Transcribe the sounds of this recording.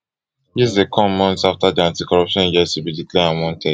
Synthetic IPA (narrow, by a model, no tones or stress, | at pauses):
jisdekʰɔ̃mmɔ̃ntsaftadiãntikɔɹɔpʃɔ̃njɛsubidiklɛãwɔ̃ntʰɛ